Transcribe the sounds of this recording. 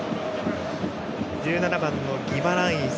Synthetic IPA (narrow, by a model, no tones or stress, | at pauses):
d͡ʑɨːnanabãnːoɡʲibaɾãɰ̃ĩs